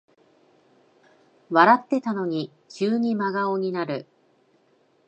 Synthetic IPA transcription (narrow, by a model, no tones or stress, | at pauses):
βaɾat̪ːe̞t̪ano̞ɲ̟i | t͡ɕɨːɲ̟imaɡaoɲ̟inaɾɯ̟